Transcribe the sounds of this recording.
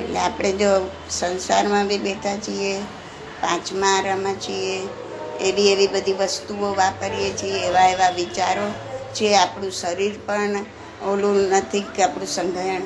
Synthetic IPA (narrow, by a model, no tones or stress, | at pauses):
ḛʈlḛapɽ̃ed͡ʒo | sənsaɾmãbibeʈʰat͡ʃʰie | pãt͡ʃmãɾəmãt͡ʃʰieː | ʋieʋibəd̪ʱiʋəst̪uoʋapəɾijet͡ʃʰieːʋaeʋaʋit͡ʃaɾo | t͡ʃʰieapɳ̃ũsəɾiɾpəɳ | olũnət̪ʰikapɽ̃ũsəŋɡʱəjəɳ